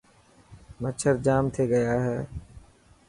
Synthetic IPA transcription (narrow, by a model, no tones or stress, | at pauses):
mət͡ʃʰəɾd͡ʒaːmt̪ʰeːɡəjaːɦɛː